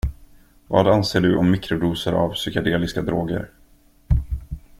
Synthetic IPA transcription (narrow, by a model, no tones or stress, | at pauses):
vɑ̰ːd̪anseːɖɵʔɔmːɪkɾʊd̪uːsəɾa̰vsʏkad̪eːlɪskad̪ɾoːɡə̰ɾ